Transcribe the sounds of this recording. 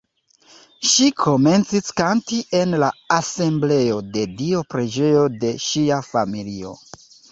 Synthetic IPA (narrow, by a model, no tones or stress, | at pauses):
ʃikʰo̞me̞nt͡siskantiʔe̞nlaase̞mble̞jo̞de̞dio̞pɾe̞d͡ʒe̞jo̞de̞ʃiafamilio̞̰